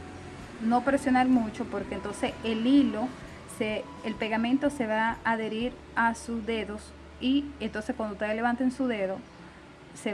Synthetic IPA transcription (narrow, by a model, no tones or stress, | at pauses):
no̞pɾe̞sjo̞naɾmũt͡ʃo̞po̞ɾkeːnt̪o̞nseselilo̞ | se | elpe̞ɣamẽnt̪o̞se̞βaːðe̞ɾiɾ | asuzðe̞ðo̞s | ient̪o̞nseskwand̪ot̪eele̞βant̪ensuðe̞ðo | se